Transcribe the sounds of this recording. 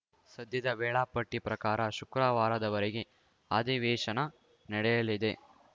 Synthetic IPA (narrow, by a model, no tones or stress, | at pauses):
sɐd̪ʱjɐd̪ɐʋɛːɭaːpɐʈːipɾɐkaːɾɐʃukɾaːʋaːɾɐd̪ɐʋɐɾeɡe̞ | aːd̪iʋɛːʃɐnɐ | nɐɽɛjɐlid̪e̞